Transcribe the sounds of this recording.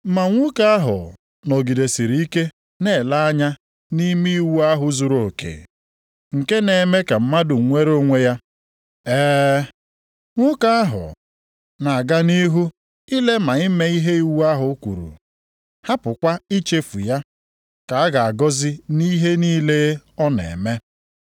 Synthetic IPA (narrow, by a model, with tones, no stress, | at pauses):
m̩˦ma˨ŋʷu˦ka˦a˦ɦʊ̰˨ | no˨ɡi˨de˨si˨ɾi˨˦i˦ke˦ | ne˦˨la˦a˦ɲa˦ | ni˦mi˦i˦wu˦a˦ɦʊ˨zu˨ɾo˨kḛ˨ | ŋ̩˨ke˦ne˨me˦ka˨m̩˦ma˦dʊ˨ŋ̩˨ŋʷe˦ɾo˦ŋʷe˦ja˦ | ɛː˦ | ŋʷʊ˦ka˦a˦ɦʊ̰˨ | na˨ɡa˦ni˦ɦu˦ | i˦le˦ma˨ɪ˦me˦i˦ɦe˦i˨˦wu˦a˦ɦʊ˨˦kʷṵ˨ɾṵ˨ | ha˦pʊ˨kʷa˦i˦t͡ʃe˦fu˨ja˦ | ka˨a˦ɡa˨a˨ɡɔ˦zɪ˦ni˦ɦe˦niː˦le˦ɔ˦nḛ˨me˦